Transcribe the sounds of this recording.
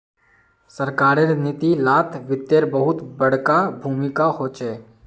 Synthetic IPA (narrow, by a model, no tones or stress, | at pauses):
sɐɾkaːɾeɾnit̪ilaːt̪ʰʋɪt̪ːeɾbəɦʊt̪bɐɽ̤kabʱuːmɪkaɦoːt͡ʃɛː